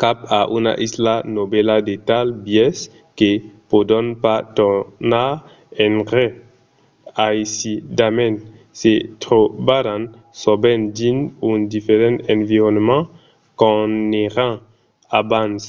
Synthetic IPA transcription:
kapaʔuna̰ʔislanobɛladet̪albjɛs | kepodɔnpat̪ɔna | ɛ̃nʁɛ | ajisidamɛn | set̪ʁobaɾãn | sɔbɛndinũnd̪ifeʁɑ̃ɑ̃viʁɔnmɑ̃ | kɔ̃neʁã | abãns

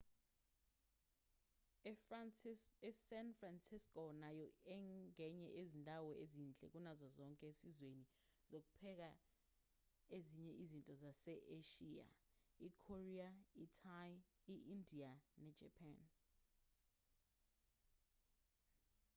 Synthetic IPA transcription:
ɛsɛnfransiskʼɔnajɔɛŋɛɲɛʔezindʱawɔezint͡ɬʼɛ̰k̬ʼunazazɔŋkʼɛesizweni | z̥ok̬u̥pʰɛk̬a | eziɲɛʔizintʼɔzasɛʔeʃia̰ikʰoriaitʰaliʔindʱianɛ̥d͡ʒ̥ʱɛ̰pʰan

